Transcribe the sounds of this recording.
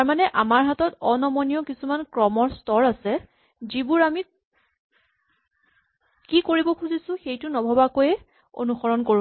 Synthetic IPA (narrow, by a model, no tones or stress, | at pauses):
taɹmanɛʔamaɹɦatɔtɔnɔmɔnijɔkisumankɹɔmɔɹstɔɹasɛ | zibuɹami | kikoɹibɔkʰuzisʊ̃xejtʊnɔbʱɔbakojɛ | o̰nuxɔɹɔnkoɹ